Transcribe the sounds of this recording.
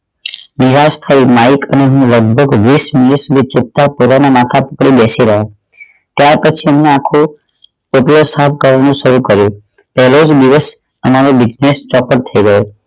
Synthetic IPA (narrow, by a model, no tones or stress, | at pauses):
nɪɾast̪ʰaimaikʰə̰neɦũləɡ̚bʱəɡʋismɪnisud̪ʱit͡ʃʊp̚t̪apot̪anamãt̪ʰapəkɽibesiɾəɦa | t̪jaɾpət͡ʃʰiəmneakʰo | poʈilosap̚ʰkəɾʋanũʃəɾukəɾjũpɛɦɛlod͡ʒd̪iʋəs | əmaɾobɪd͡ʒnest͡ʃɔpəɾt̪ʰəiɡəjo